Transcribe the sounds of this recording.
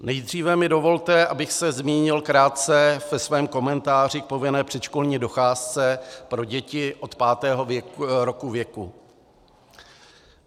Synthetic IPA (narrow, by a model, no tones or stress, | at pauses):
nɛjd̪r̝iːvɛmɪdo̞vo̞lt̪ɛʔabɪxsɛzmiːɲɪlkɾaːt̪̚t͡sɛvɛsvɛːmko̞mɛnt̪aːr̝ɪk̚po̞vɪnɛːpr̝̥ɛt͡ʃko̞lɲiːdo̞xaːst͡sɛpɾo̞ɟɛcɪʔo̞t̪paːt̪ɛːɦo̞ɾokuvjɛku